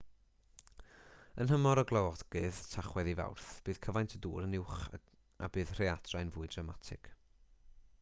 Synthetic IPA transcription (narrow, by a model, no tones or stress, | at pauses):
ənɦəmɔɾɔɡlˠawɔdɡ̥ɨðtʰaχwɛðiva̰wrθb̥ɨːð̥kʰəvajntʰəduːɾənɪwχ | a̰bɨːð̥r̥eadʰrajnvʊːɨdramatʰɪ̰kʰ